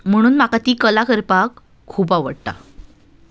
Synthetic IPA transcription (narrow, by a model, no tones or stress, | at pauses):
m̤əɽ̃uːnmakat̪iːkəlakəɾpakʰː | uːpaʋəɽt̪a̰